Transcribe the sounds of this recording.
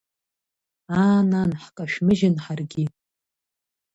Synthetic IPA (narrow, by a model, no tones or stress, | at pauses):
aːnanħkʼaʃᶣmɨʒɪnħarɡʲi